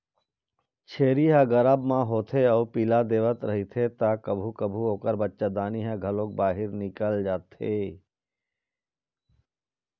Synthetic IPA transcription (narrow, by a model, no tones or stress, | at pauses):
t͡ʃʰeːɾiɦaɡəɾəbmãɦoːt̪ʰeɔːɾpilad̪eːʋət̪ɾɐɦit̪ʰet̪akəbʱukəbʱuɦoːkəɾbətːʃad̪aːniɦɛ̃ɡʱɐlõːk̚baːɦɪɾnɪkəld͡ʒaːt̪eː